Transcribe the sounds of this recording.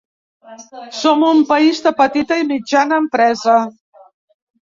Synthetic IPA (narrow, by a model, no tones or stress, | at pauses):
somumpəizd̪əpət̪it̪əimid͡ʒanəːmpɾɛzə